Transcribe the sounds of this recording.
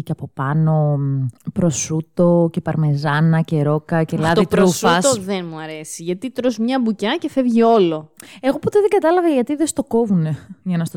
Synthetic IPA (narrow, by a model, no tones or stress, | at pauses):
ceɐpo̞pɐno̞pɾo̞sut̪o̞ce̞pɐɾme̞zɐnɐce̞ɾo̞kɐcelɐðt̪oiɾufɐsoðenmuɐɾesiʝɐt̪it̪ɾozmɲɐbucɐce̞fevʝio̞lo̞e̞ɣo̞pot̪e̞ðeŋɡɐt̪ɐlɐvɐʝɐt̪iðe̞st̪o̞ko̞vune̞ʝɐnɐst̪o